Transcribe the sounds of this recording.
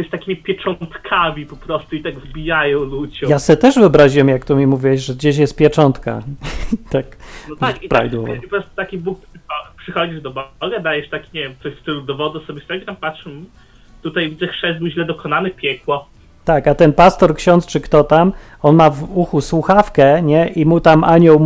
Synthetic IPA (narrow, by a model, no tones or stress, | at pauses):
ɛsʲt̪akʲimʲipʲjɛt͡ʂɔnt̪kʰamʲipɔpɾɔst̪uit̪aɡvbʲijajɔ̃w̃lud͡ʑjasɛɛt̪ɛʐvɨɔbɾaʑiwɛmjakt̪umʲimuvʲiwɛʑʐɛɡd͡ʑeɕ̬jɛst̪pʲjɛt͡ʂɔnt̪ka̰t̪aknpɾaviwɔvɔ̰ɔɾɔst̪u̥t̪akʲibuk̚pʂxɔpʂɨxɔd͡ʑiʐd̪ɔbɡad̪ajɛʂt̪akʲiɲevʲjɛmt̪sɔɕfst̪ɪlud̪ɔvɔd̪ɛsɔbʲɛsɛɡɾampatʂm | t̪ut̪ajvʲid̪zɛxʂɛzd̪uʑlɛd̪ɔkɔnanɘpʲjɛkwɔ | t̪akat̪ɛnpast̪ɔɾkɕɔ̃nt̪st͡ʂɘkt̪ɔt̪am | ɔnmavuxuswuxafkɛɲɛʔimut̪amʔaɲɔw